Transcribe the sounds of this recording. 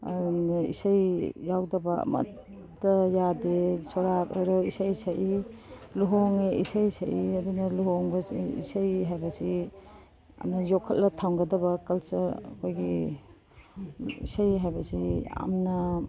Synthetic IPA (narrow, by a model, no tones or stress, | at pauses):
ḭsajjawdɐbɐɐ̰mɐ̰tː | ɐjadesɔɾatojɾɐisajsaji | luɦoŋeisajsaʔiɐdunɐluɦoŋbɐsiḭsajɦajbɐsi | ɐ̰mnɐjokʰːɐt̚lɐtʰawŋɡɐdɐbɐkɐlsɐɐ̰kʰojɡi | ḭsajɦajbɐsiɐ̰mnɐ